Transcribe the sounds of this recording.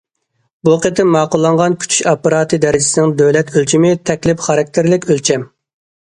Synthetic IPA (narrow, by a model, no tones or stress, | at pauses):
buqet̪ʰɪmmːɑːqʊlˠːɑɴʁɑnkʲʰy̥t͡ʃʰy̥ʃɑpɑɾɑːt̪ʰɨd̪ɛɾɪd͡ʒɪsɪnɪŋd̪øwlɛt̪ʰølt͡ʃʰimɪt̪ʰɛkʲlɪpχɑɾɑk̚ʲt̪ʰɪɾlɪkʲølt͡ʃʰɛm